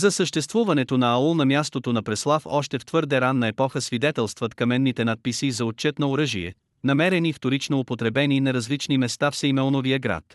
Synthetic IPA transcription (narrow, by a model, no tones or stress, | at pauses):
zɐsəʃt̪ɛst̪vuvɐnɛt̪onɐːulˠnɐmʲjast̪ot̪onɐpɾɛslˠafɔ̰ʃt̪ɛft̪vɤɾd̪ɛɾanːɐɛpɔxəsvid̪ɛt̪ɛlˠst̪vɐt̪kɐmɛnːit̪ɛnat̪̚pisizɐot̪̚t͡ʃɛt̪nɐoɾɤʒiɛ̰ | nɐmɛɾɛnift̪oɾit͡ʃnoopot̪ɾɛbɛniːnɐɾɐzlit͡ʃnimɛst̪afsɐjmɛɔnoviəɡɾa̰t̪